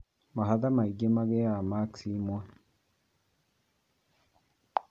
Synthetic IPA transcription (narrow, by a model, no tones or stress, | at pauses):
maɦaðamaiɡemaɣejamaksimwa